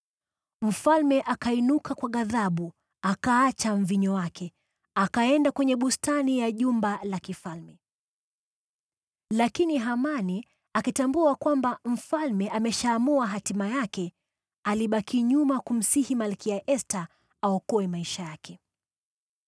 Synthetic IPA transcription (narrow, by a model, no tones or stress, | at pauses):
m̩falmɛʔakainukʰakwaɠaðaɓu | akaat͡ʃam̩viɲɔwakʰɛ | akaɛndakwɛɲɛɓustanijaʄumbalakifalmɛ | lakiniɦamani | akitambuakwambam̩falmɛʔamɛʃaːmuaɦatimajakɛ | aliɓakiɲumakum̩sihimalkiaʔɛsta | aɔkɔɛmaiʃajakɛ